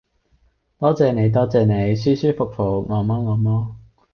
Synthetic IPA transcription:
t̪ɔː˥t͡sɛː˨ne˨˧jt̪̬ɔː˥t͡sɛː˨˧ne˨˧jsyː˥syː˥fʊ˨k̚fo˨˩ŋɔː˨˥mɔː˥ŋɔː˨˧mɔː˥

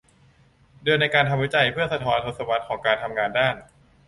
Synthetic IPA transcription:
dɯ˧nːa˧jkaː˧nt̪ʰa˧mwi˦˥t͡ɕa˧jpʰɯ˥˩ɐsa˧t̪ʰɔː˨˦˥nt̪ʰo˨˧t̪̚sa˧wa˦˥t̪̚kʰɔː˩˦ŋkaː˧nt̪ʰa˧mŋaː˧ndaː˥˩n

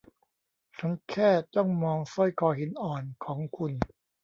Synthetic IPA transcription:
t͡ɕʰa˦˥nkʰɛː˥˩t͡ɕɔ˥˩ŋmɔː˧ŋsɔ˥˩jkʰɔː˧˩ɦi˩˦nʔɔː˨˩nkʰɔː˩˦ŋkʰu˧n

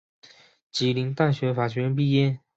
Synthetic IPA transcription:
t͡ɕi˨˥li˧˥ŋt̪a˥˩nɕɥɛ˧˥nfa˨˩t͡ɕʰɥɛ˧˥np̬i˥˧jɛ˥˩n

